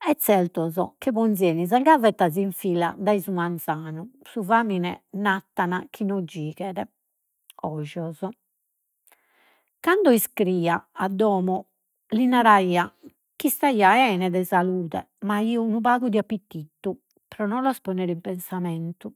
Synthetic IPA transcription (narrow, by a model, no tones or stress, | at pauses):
ɛt̪sːɛlt̪ɔzɔ̰kɛβɔnzjɛːniz̬aɡavɛt̪ːaziɱfiːla̰d̪aizumant̪saːnusuvaːminɛnat̪ːanakʰinɔd͡ʒiːɣɛɾɛ | ɔʒɔzɔ | kand̪ɔiskɾiːaad̪ːɔːmɔ | linaɾaiːa | kist̪aiːaɛːnɛd̪ɛzaluːt̪ɛ̰ | maiɔnupaːɣud̪iapːit̪ːit̪ːu | pɾɔnɔlaspɔnɛɾimpɛnsamɛnt̪u